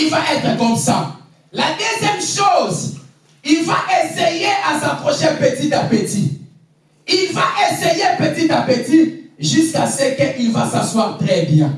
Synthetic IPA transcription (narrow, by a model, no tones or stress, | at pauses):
ilvaʔɛt̪χɛkɔ̃msã̰ | ladɛzjɛmʃoz | ilvaʔesejeʔasapχɔʃɛ̃pɛt̪it̪apɛt̪i | ilvaʔesejepət̪it̪apɛt̪iʒyskasəkəʔilvasãswaːʁt̪χɛbjɛ̃